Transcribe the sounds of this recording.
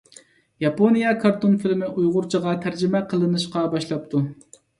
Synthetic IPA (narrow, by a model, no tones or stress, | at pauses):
jɑponijɑkʰɑɾt̪onfɪlmɪʔujʁʊɾt͡ʃʰəʁɑt̪ʰæɾd͡ʒɪmɛqʰəlˠɨnɨʃqɑbɑʃlˠɑp̚t̪ʰu